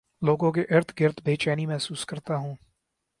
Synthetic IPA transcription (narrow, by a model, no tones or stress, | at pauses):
loːɡõk̬eʔɪɾt̪ʰɡɪɾt̪ʰbʱeːt͡ʃaːnimɛɦsuːskɐɾt̪aɦũː